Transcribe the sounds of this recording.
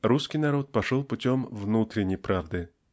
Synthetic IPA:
ɾuskʲɪjnɐɾot̪̚pɐʂolˠpʊtʲomvnut̪ɾʲɪnʲːɪjpɾavd̪ɨ

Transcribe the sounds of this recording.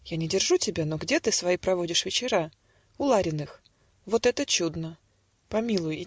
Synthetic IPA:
janʲɪdʲɪrʐutʲɪbʲanoɡdʲe̞t̪ɨsvɐipɾɐvo̞dʲɪʂvʲɪt͡ɕɪɾa | ʊlˠaɾʲɪnɨx | vo̞t̪ɛt̪ət͡ɕud̪nə | pɐmʲilˠʊj

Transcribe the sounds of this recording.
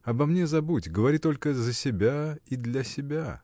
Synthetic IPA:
ɐbɐmnʲezɐbutʲɡəvɐɾʲit̪o̞lʲkəzəsʲɪbʲaid̪lʲɐsʲɪbʲa

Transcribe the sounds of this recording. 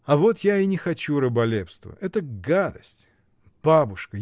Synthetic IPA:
ɐvo̞t̪jaɪnʲɪxɐt͡ɕuɾəbɐlʲepst̪və̰ʔɛt̪əɡad̪əsʲtʲ | b̥abʊʂkə

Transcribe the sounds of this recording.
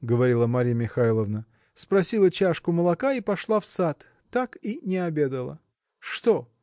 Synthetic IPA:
ɡəvɐɾʲilˠəmɐɾʲijəmʲɪxalˠəvnə | spɾɐsʲilˠət͡ɕaʂkʊməlˠɐkaipɐʂlˠafsat̪ː | akinʲɪɐbʲe̞d̪əlˠə̰ | ʂt̪o

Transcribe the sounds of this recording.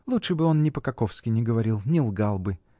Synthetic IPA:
lˠutʂɨbɨo̞nnʲɪpəkɐkofskʲɪnʲɪɡəvɐɾʲilˠnʲɪlˠɡalˠbɨ

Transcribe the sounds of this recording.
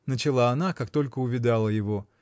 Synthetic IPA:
nət͡ɕɪlˠaɐnakakt̪o̞lʲkəʊvʲɪd̪alˠəjɪvo̞

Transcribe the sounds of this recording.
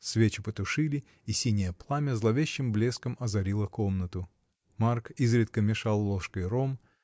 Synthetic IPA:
svʲet͡ɕʊpət̪ʊʂɨlʲɪ | isʲinʲɪjəplˠamʲəzlˠɐvʲeɕːɪmblʲeskəmɐzɐɾʲilˠəkomnət̪ʊ | markizɾʲɪt̪̚kəmʲɪʂalˠːoʂkəjɾom

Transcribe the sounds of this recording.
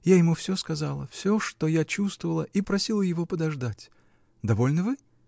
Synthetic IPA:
jajɪmufsʲoskɐzalˠə̰fsʲoʂt̪ojat͡ɕust̪vəvəlˠəʔipɾɐsʲilˠəjɪvo̞pəd̪ɐʐd̪atʲ | d̪ɐvo̞lʲnəvɨ

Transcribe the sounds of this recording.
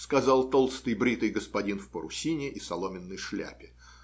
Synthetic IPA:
skɐzɑlˠt̪olˠst̪ɨjbɾʲit̪ɨjɡəspɐdʲinfpəɾʊ̰sʲinʲɪʔisɐlˠo̞mʲɪnːəjʂlʲæ̰pʲɪ

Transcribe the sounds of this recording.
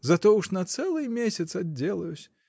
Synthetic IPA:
zɐt̪ɔuʂnɐt̪sɛlˠɨjmʲesʲɐt̪sɐdʲːelˠɐjusʲ

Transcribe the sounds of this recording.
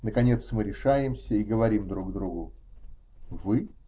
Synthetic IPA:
nəkɐnʲe̞t̪smɨɾʲɪʂajɪmsʲəiɡəvɐɾʲimd̪ɾuɡd̪ɾuɡʊ | vɨ

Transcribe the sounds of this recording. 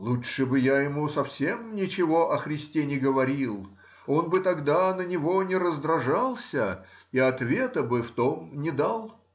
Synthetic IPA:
lˠutʂɨbɨjajɪmusɐfsʲe̞mnʲɪt͡ɕɪvo̞ʔɐxɾʲɪsʲtʲenʲɪɡəvɐɾʲilˠ | o̞nbɨt̪ɐɡd̪anənʲɪvo̞nʲɪɾəzd̪ɾɐʐalˠsʲə | iɐt̪vʲe̞t̪əbɨft̪o̞mnʲɪd̪alˠ

